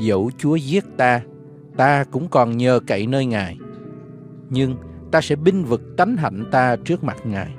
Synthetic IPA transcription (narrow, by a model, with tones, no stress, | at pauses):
zə̰˧˩wt͡ɕu˨˦əzi˦˥ət̚t̪aː˧ | t̪aː˧kʊ̰˧˥ŋ͡mkɔ˨˩nɲəː˨˩ka̰˧˩˨jnəː˧jŋaː˨˩j | ɲɨ˧ŋ | t̪aː˧sɛ̰˧˥ɓï˧ŋ̟vɨ˨˩k̚t̪a˨˦jŋ̟ɦa̰˧˩jŋ̟t̪aː˧t͡ɕɨ˦˥ək̚ma˨˩t̚ŋa̰ː˨˩j